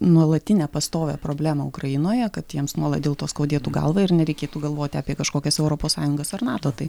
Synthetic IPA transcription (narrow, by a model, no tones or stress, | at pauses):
nuɔlˠɐt̪ʲɪnʲɛpɐst̪oːʋʲɛpɾoːbʲlʲæːmɐʊkɾɐjɪnoːjɛkɐt̪jiɛmsnuɔlˠɐt̪d̪ʲeːlˠt̪oːskɐʊd̪ʲiːt̪uːɡɐ̰lˠʋɐɪrnʲɛɾʲɛɪkʲeːt̪uːɡɐlˠʋoːt̪ʲɪɑːpʲiɛkɐʃkoːkʲɛsɛʊɾoːpoːssɑːjʊŋɡɐsɐɾnɑːt̪oːt̪ɐɪ